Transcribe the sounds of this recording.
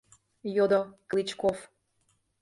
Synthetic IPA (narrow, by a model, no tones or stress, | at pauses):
jod̪oklʲit͡ɕkof